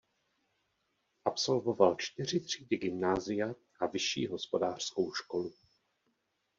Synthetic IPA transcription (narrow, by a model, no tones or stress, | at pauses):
ʔapso̞lvo̞valt͡ʃt̪ɪr̝ɪt̪r̝̥iːdɪɡɪmnaːzɪja | ʔavɪʃḭːɦo̞spo̞daːr̥sko̞wʃko̞lu